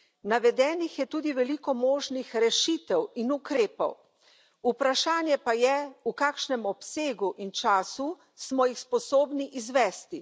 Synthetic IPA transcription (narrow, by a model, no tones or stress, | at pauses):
naʋɛd̪ɛːnixjɛt̪uːd̪iʋɛlikɔmoːʒnixɾɛʃit̪ɛwinukɾeːpɔ̰w | upɾaʃaːnjɛpajɛukaːkʃnɛmɔpseːɡuʔint͡ʃaːsu | smɔjixspɔsoːbniʔizʋɛːst̪i